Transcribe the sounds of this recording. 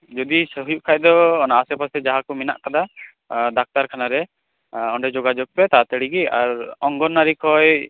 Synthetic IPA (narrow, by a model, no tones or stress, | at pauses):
d͡ʒɔd̪isəɦujuʔ̚kʰaj̚d̪ɔːnaːsɛpasɛd͡ʒaɦakɔmina̰ʔkad̪a | d̪ak̚t̪aɾkʰanaɾɛ | ɔɳɖɛd͡ʒɔɡad͡ʒɔɡ̚pɛt̪at̪əɽiɡiaɾɔŋɡɔnːaɾikʰɔj